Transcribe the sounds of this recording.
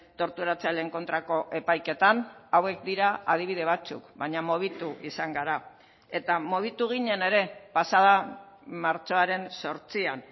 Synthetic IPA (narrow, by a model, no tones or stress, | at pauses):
t̪o̞ɾt̪uɾat͡saleŋko̞nt̪ɾako̞ʔe̞pajke̞t̪anawe̞k̚d̪iɾaað̞iβ̞iðeβ̞at͡sṵkβaɲamoβ̞it̪uʔisaŋɡaɾa | e̞t̪amoβit̪uɣ̞iɲe̞ne̞ɾe̞pasaða | maɾt͡so̞aɾe̞nso̞ɾt͡sian